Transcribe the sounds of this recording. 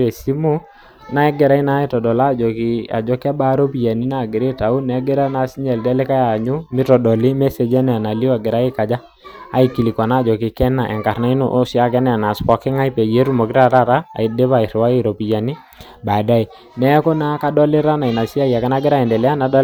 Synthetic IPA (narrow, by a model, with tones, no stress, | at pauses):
e˨si˦mu˦ | na˦ɛ˦ɡɛ˨ɾa˦i˦na˦i˦tɔ˨dɔ˨la˦˨d͡ʒɔ˨ki˨a̰˨d͡ʒɔ˦kɛ˦ba˦ɾo˦pi˨ja˨ni˦na˦˨ɡɪ˨ɾe˦ta˨u˦nɛ˨˦ɡɛ˦ɾa˦na˨si˦ɲɛ˨ldɛ˦le˦ka˦ja˨ɲu˦mɪ˦tɔ˨dɔ˨li˦mɛ˦se˨d͡ʒɛ˦nɛ˦a˨na˨li˦a˨ɡɪ˨ɾa˦ɪ˦ka˨d͡ʒa˦ | a˦i˨ki˨li˨kɔ˨na˦˨d͡ʒɔ˨kɪ˨kɛ˦na˨ʔɛ̰˨ŋka˨rna˦ɪ˦no˦ʔo˦si˦a˦kɛ˦n˦a˨na˨spɔ˨kɪ˦ŋa˦i˦pɛ˨je˦ɾu˦mo˨kɪ˦ɾa˦ɾa˦ɾa˦a̰˨i˨de˦βa˨i˨ɾwa˦i˦ɾo˨pi˨ja˨ni˦ | ba˨da˦i˨ | nɛ˦ko˦na˦ka˦dɔ˦lɪ˦ɾa˦na˨i˨na˨sa˦ja˨ka˨˦na˦ɡɪ˦ɾa˦ɛ˨ndɛ˨lɛ˦a˦na˨d